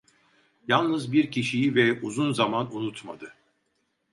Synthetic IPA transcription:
jalˠnɯzbiɾcʰiʃijivɛuzunzamanunut̪mad̪ɯ

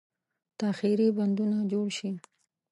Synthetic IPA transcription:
t̪axiɾiband̪unad͡ʒoɽʃi

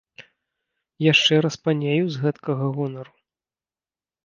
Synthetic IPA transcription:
jaʂt͡ʂɛɾɐspanʲejuzɣɛt̪kɐɣɐɣɔnɐɾu

